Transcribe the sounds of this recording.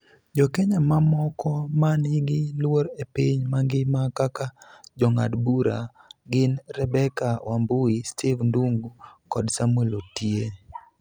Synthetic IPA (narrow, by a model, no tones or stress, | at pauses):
d͡ʒɔkɛɲamamɔkɔmanɪɡɪlwoɾepiɲmaŋɡɪmakakad͡ʒɔŋa̰dbuɾa̰ɡɪnɾɛbɛkawʔambʊistʰivnduŋɡukɔdsamwelotie